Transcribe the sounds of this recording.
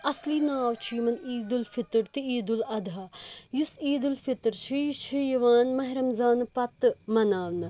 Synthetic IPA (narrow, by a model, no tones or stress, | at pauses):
ɐsliːnaːwt͡ʃʰiːmɐniːd̪ulfit̪ɾt̪iiːd̪ulɐd̪ʱajusiːd̪ulfit̪ɾt͡ʃʰijit͡ʃʰijɐʋaːnmɐɦɾɐmzaːnpɐt̪ɨmɐnaːʋnɨ